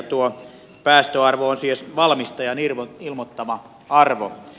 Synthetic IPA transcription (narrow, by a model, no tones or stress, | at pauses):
t̪uo | pæːst̪øɑrʋoonsiesʋɑlmist̪ɑjɑnilmot̪ːɑʋɑ | ɑrʋo̰